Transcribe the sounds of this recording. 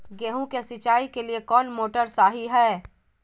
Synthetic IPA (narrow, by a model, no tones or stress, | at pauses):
ɡeːɦũkesɪt͡ʃaːikeliekɔːnmoːʈəɾsaːɦiɦɛː